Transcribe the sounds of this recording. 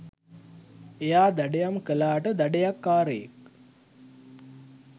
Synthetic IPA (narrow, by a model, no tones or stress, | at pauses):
ejaːd̪æɖejamkəlaːʈəd̪æɖejakːaːɾejek̚